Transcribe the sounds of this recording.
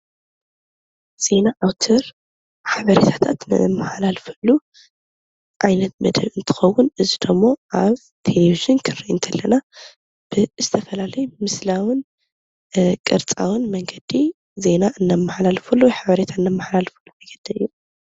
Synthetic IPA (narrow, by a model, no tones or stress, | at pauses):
z̥e̞naʔawt̪ʰɐɾ | ħaβɐɾet̪ʰḁt̪ʰat̪nɨ̰ɨmːaħlalfɐlːu | ʔajnɐt̪̚mɐd̪ɐβɨnt̪ʰɨ̥xɐwːʊnɨzid̪ɐmːo̞ʔaβ | t̪ʰeleviʒinkʰɨriʔɨ̰nt̪ʰɐlːɐna | b̥ɨzɨt̪ʰɐfɐlalɐjumɨslawɨn | kʼɨɾt͡sʼa̰wɨnmɐŋɡɐd̪̥i | ze̞naʔɨnːamːaħalalfulːuħaβɐɾet̪ʰaɨnːɐmːaħlalfɐlːuajɡɐd̪̥ɐɨjːu